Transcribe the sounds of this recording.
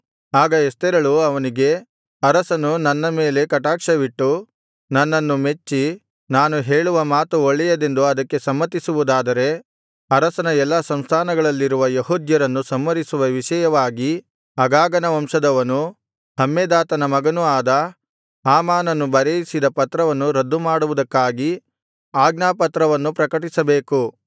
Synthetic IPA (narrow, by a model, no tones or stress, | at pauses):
aːɡɐest̪ɛɾɐɭuɐʋɐniɡe̞ | ɐɾɐsɐnunɐnːɐme̞ːle̞kɐʈaːkʂɐʋiʈːu | nɐnːɐnːume̞t͡ʃːi | naːnuɦe̞ːɭuʋɐmaːt̪uoɭːɛjɐd̪e̞nd̪uɐd̪ɐkːe̞sɐmːɐt̪ːisuʋud̪aːd̪ɐɾe̞ | ɐɾɐsɐnɐɛlːɐsɐmst̪ʰaːnɐɡɐɭɐlːiɾuʋɐjeɦuːd̪jɐɾɐnːusɐmːɐɾisuʋɐʋiʂɐjɐʋaːɡi | ɐɡaːɡɐnɐʋɐmʂɐd̪ɐʋɐnu | hɐmːeːd̪aːt̪ɐnɐmɐɡɐnuaːd̪ɐ | aːmaːnɐnːubɐɾejisid̪ɐpɐt̪ɾɐʋɐnːuɾɐd̪ːumaːɽuʋud̪ɐkːaːɡi | aːɡnaːpɐt̪ɾɐʋɐnːupɾɐkɐʈ̬isɐbe̞ːku